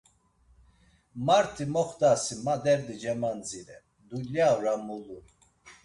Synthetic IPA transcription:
maɾt̪ʰimɔχd̪asimad̪ɛɾd̪id͡ʒɛmand͡ziɾɛ | d̪uljaɾamuluɾ

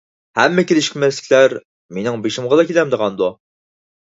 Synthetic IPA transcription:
hɛmːɛkʲelɪʃkʲmɛslɪ̥kʲlæɾ | menɪŋbeʃɪmʁɑd̪ɑkʲʰelɛmd̪əʁɑnd̪u

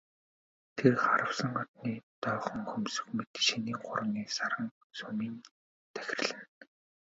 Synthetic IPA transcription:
t̪ʰerχa̰ɾə̆wsə̆ŋɔt̪niːt̪œːχɞ̆ŋxɵmsɵ̥̆xmet̪ʃiniːŋχʊ̰ɾə̆niːsaɾə̆ŋ | sɵmiːn | t̪ʰæ̥xʲɪ̆r̆ɮɘ̆n

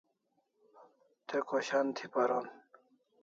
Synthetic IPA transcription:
t̪ekoɕant̪ʰipaɾon

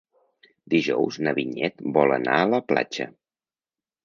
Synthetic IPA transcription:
d̪iʒɔwznəβiɲɛt̪bɔlˠə̰na̰ələpla̰d͡ʒə̰

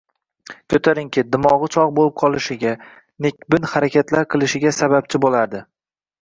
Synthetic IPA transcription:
kʲʰɵt̪ʰaɾɪŋkʲɪd̪ɪmɒʁɨt͡ʃʰɒʁbolɪp̚qʰɒlˠɪʃɪɡʲa | nekʲbɪnhaɾakʲʰat̪laɾqʰɨlˠɪʃɪɡʲasaβap̚t͡ʃʰɪbolaɾd̪ɪ

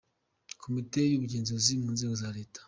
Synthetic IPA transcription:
kʰomitejuβuɟeːnziɾozimuːnze̞ːɡozaɾe̞ːtḁ

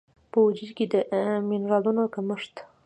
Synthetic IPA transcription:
pəwʊd͡ʒiɾked̪əʔminɾɑlunokaməʂt̪

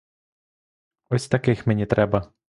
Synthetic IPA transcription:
ɔsʲt̪ɐkɪxmɛnʲit̪ɾʔɛbɐ

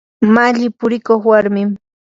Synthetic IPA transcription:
maʎɪpʊɾɪkoχwaɾmɪm

